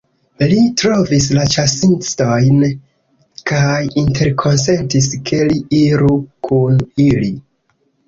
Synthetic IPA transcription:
litɾo̞vis̬lat͡ʃasinsto̞jn | kajintʰe̞ɾkʰo̞nse̞ntiskʰe̞liiɾukʰunili

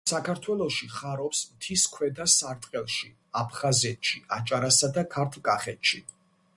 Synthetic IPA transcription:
sakʰaɾt̪ʰwɛlˠɔʃiχaɾɔpsmt̪ʰiskʰwɛd̪asaɾt̪ʼqʼɛlˠʃi | apʰχazɛt̪ʰʃiat͡ʃʼaɾasad̪akʰaɾt̪ʰlˠkʼaχɛt̪ʃi

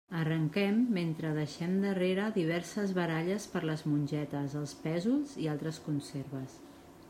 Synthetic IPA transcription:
ərəŋkɛmːent̪ɾəðəʃɛmd̪əreɾəðiβ̞ɛɾsəzβəɾaʎəspəɾləzmunʲʒɛt̪əzəlˠspɛzulˠzialˠt̪ɾəskunseɾβəs

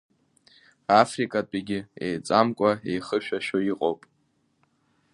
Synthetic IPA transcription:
afrikʼat͡pʼiɡʲɪejt͡sʼamkʷʼaejχəʃᶣaʃᶣoiqʼowpʼ

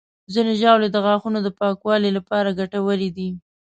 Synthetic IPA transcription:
zineʒɑwled̪əɣɑxunod̪əpɑkwɑlilapɑɾaɡaʈawəlid̪i

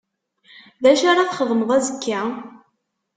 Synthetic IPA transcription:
ðæʃaɾˤɑθχəðˤməðˤæzəkːa

